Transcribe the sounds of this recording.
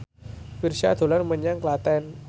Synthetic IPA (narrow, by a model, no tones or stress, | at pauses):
firsia̰d̪̥o̤larməɲaŋklat̪ɛn